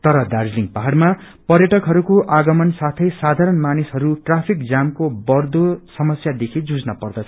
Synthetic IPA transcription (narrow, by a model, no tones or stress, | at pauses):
t̪ʌɾʌd̪ard͡zliŋpaɦarma | pʌrjʌʈʌkɦʌɾukoʔaɡʌmʌnsat̪ʰʌjsad̪ʱaɾʌnmanisɦʌɾuʈrapʰikd͡zamkobʌrd̪osʌmʌsjad̪ekʰid͡zud͡znʌpʌrd̪ʌt͡sʰʌ